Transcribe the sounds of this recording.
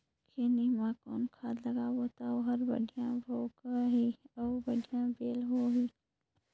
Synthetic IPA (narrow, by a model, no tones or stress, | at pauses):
kʰeːnimãkɔ̰ːnkʰaːd̪lɐɡaboːt̪aoɦɐɾbɐ̰ɖijãbʱoːɡaɦiɔːbɐɖijãbeːlɦoɦi